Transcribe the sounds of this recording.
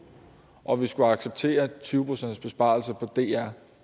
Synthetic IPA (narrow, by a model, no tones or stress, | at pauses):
ʔɒ̽ʋisɡ̥uɑ̈ɡ̥seb̥̚t͡sʰe̝̰ːɐt͡sʰyːʊpʰʁosend̥sb̥e̝sb̥ɑ̈lsɐpʰɒ̽d̥e̝̰ːæɐ̰